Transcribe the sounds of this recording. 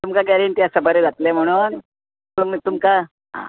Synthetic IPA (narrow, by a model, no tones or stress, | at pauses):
t̪umkaɡɛɾeɳʈijasəbəɾed͡zat̪lem̤əɽ̃uni | t̪umt̪umka | ɦã̰